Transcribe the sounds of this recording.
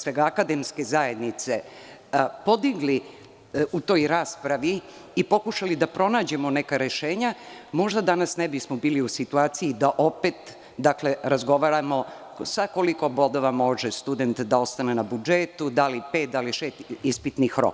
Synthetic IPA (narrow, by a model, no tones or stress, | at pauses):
sʋeɡaːkad̪emske̞zaje̞d̪nit̪se̞ | po̞d̪iɡli | ut̪o̞ːjɾaːspɾaʋiː | po̞kuʃalid̪apɾo̞naːd͡ʑe̞mo̞nekaɾe̞ʃeːɲamo̞ʒd̪ad̪anasnebismobiːliusit̪uaːt̪sijid̪aʔope̞t̪ | d̪akleɾazɡo̞ʋaɾamo̞ | sako̞liko̞bo̞d̪o̞ʋamo̞ʒest̪ud̪e̞nt̪d̪ao̞st̪ane̞nabud͡ʒet̪ud̪alipe̞ːt̪d̪aliʃeːst̪ispit̪nixɾo̰k